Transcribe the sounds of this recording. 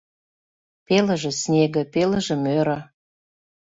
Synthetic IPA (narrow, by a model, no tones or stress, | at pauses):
pelə̆ʒĕsnʲeɣə̆pelə̆ʒə̆møɾə̆